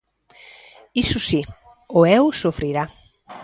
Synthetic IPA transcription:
isʊsi | ʊɛwsofɾiɾa

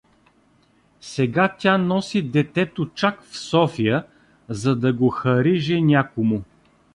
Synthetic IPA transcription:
sɛɡat̪ʲanɔsid̪ɛt̪ɛt̪ot͡ʃakfsɔfijə | zɐd̪ɐɡoxɐɾiʒɛnʲakomʊ

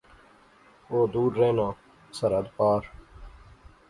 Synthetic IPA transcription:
oːd̪uːɾːeːnãː | səɾəd̪paːɾ

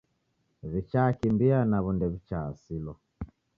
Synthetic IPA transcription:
βit͡ʃaːkimbianaβundɛβit͡ʃaːsilɔ

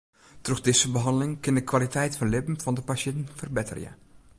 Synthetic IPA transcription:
troxdɪsəbəɦɑndəlɪŋkɪndəkʋalitɛjtfɔnlɪpm̩fɑndəpasɛntn̩fərbɪtʰə̰rjə̰

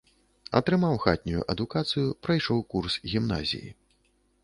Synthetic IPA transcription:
ɐ̰t̪ɾɨmawxat̪̚ʲnʲujṵʔɐd̪ukat̪sɨjupɾajʂɔwkursɣʲimna̰zʲḭjḭ

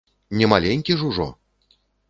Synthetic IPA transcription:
nʲɛmalʲenʲkʲiʐuʐɔ̰

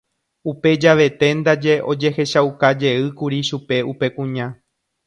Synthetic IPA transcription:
upe̞d͡ʒaʋe̞t̪e̞nd̪ad͡ʒe̞ʔo̞d͡ʒe̞he̞ʃawkad͡ʒe̞ɨkuɾiʃupe̞upe̞kũɲã

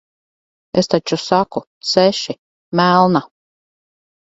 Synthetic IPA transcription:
ḛst̪at͡ʃusakut̪sɛʃi | mælˠna

